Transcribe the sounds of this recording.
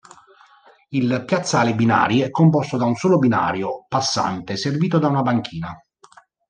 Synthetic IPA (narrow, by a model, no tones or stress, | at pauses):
ilpjat̪sːaːlebina̰ːɾiɛkːompɔst̪od̪aunsoːlobina̰ːɾjopasːa̰nt̪eserviːt̪od̪aunabaŋk̟ʰiːna